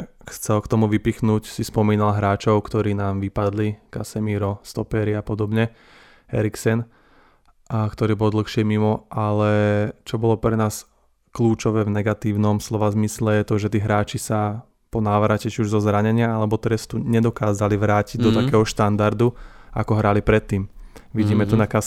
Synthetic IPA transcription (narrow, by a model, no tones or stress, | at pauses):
xt͡sɛlkt̪ɔmuʋipixnuːcsispɔmiːnalɦɾaːt͡ʃɔʊkt̪ɔɾiːnaːmʋipad̪likasɛmiːɾɔst̪ɔpɛːɾiapɔd̪ɔbɲɛ | hɛ̰ɾiksɛn | kt̪ɔɾiːbɔld̪l̩xʃɪɛmimɔalɛt͡ʃɔbɔlɔpɾɛnaːs | kluːt͡ʃɔʋɛːvnɛɡat̪iːʊnɔmslɔʋazmislɛjɛt̪ɔʒɛt̪iːɦɾaːt͡ʃisa | pɔnaːʋɾacɛt͡ʃiuʒzɔzɾaɲɛɲɪaalɛbɔt̪ɾɛst̪uɲɛd̪ɔkaːzaliʋɾaːciɟd̪ɔt̪akɛːɦɔʃt̪and̪aɾd̪ua̰kɔɦɾalipɾɛt̪ːiːmʋiɟiːmɛt̪unakas